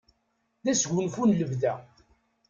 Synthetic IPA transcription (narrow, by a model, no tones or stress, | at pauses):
ðæsʝʊnfunləvðæ